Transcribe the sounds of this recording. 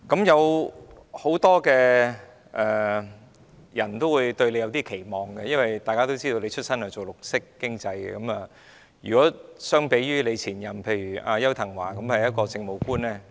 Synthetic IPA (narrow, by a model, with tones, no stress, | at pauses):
kɐ˨˥mjɐ˨˧w | ho˨˥wt̪ɔː˥kɛː˧ | ʔɛː˨ | jɐ˨˩nt̪o˥wu˨˧jt̪ɵ˧ɥle˨˧jwt̪i˥kʰe˨˩jmɔː˨ŋɡɛ˧jɐ˥nwɐ˨jt̪aː˨jkaː˥t̪o˥wt͡siː˥t̪o˧le˨˧jt͡ʃʰɵ˥t̚sɐ˥nhɐ˨˧t͡so˨wlʊ˨k̚sɪ˥kːɪ˥ŋt͡sɐ˧jɛ̰˧kɐ˨˦mɐ˨ | jyː˨˩kɔː˨˥sœː˥ŋpe˨˥jɥyː˥le˨˧jt͡sʰiː˨˩njɐ˨˩mpʰe˧jɥyː˨˩ʔaː˧jɐ˥wt̪ʰɐ˨˩ŋwaː˨˩kɐ˨˦mhɐ˨jɐ˥t̚kɔː˧t͡sɪ˧ŋmo˨wkuː˥nlɛː˥